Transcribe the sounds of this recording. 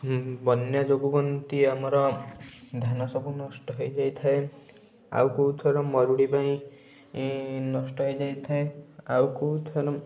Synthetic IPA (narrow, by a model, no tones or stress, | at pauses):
bɔnjad͡ʒoɡubɔnt̪iamɔɾɔ | d̪ʱanɔsɔbunɔsʈɔɦojd͡ʒajt̪ʰae | a̰wkuut̪ʰɔɾɔmɔɾuɽipaĩ | nɔsʈɔɦɔjd͡ʒajt̪ʰaeawkuut̪ʰɔɾɔ